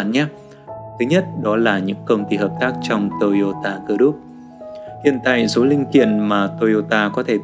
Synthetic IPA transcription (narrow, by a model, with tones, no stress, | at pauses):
nɲaː˨˦ | t̪ʰɨ˨˦ɲə˦˥t̚ɗɔ˨˦laː˨˩ɲɨ̰˧˥ŋkə˧wŋ͡mt̪i˧ɦəː˨˩p̚t̪aː˦˥k̚t͡ɕɔ˧wŋ͡mt̪o˧jo˧t̪aː˧kɨ˧ɗu˦˥p̚ | hḭ˧˨ənt̪a̰ː˧˨so˨˦lï˧ŋ̟kḭ˧˨ənmaː˨˩t̪o˧jo˧t̪aː˧kɔ˨˦t̪ʰe˧˩